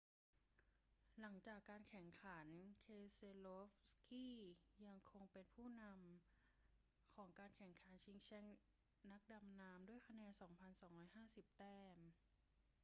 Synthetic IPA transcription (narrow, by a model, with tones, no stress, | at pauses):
la˩˦ŋt͡ɕaː˨˩kːaː˧nkʰɛ˨˩˦ŋkʰa˩˦nkʰeː˧se˧lo˦˥fskiː˥˩ja˧ŋkʰo˧ŋpe˧npʰuː˥˩na˧m | kʰɔː˩˦ŋkaː˧nkʰɛ˨˩ŋkʰa˩˦nt͡ɕʰi˧ŋt͡ɕʰɛ˧˥ŋ | na˦˥k̚da˧mnaː˧mdu˥˩əjkʰa˧nɛː˧nsɔː˩˦ŋpʰa˧nsɔː˩˦ŋɾɔː˧˩jɦaː˥˩si˨˩p̚t̪ɛː˧˥˩m